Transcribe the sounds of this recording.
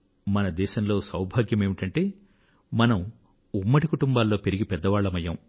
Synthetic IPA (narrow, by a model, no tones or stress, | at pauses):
mɐnɐd̪ɛːʃɐmlo̞ːsɐwbʱaːɡjɐme̞ːmiʈɐɳʈe̞ː | mɐnɐm | umːɐʈikuʈumbaːlːo̞ːpe̞ɾiɡipɛd̪ːɐʋaːɭːɐmɐjːɐm